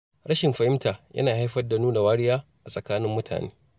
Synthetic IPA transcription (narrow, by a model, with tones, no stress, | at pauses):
ɽɐ˦ʃɪ˨mɸɐ˨hɪ˦mtaː˨jʔɐ̰˦naː˨ha˦jɸɐ˦rda˨nuː˦na˨waː˦ɽɪ˦jaː˦ʔa˨sʼɐ˨kaː˦nɪ˦mːʊ˦tʰa̰ː˨nḛː˦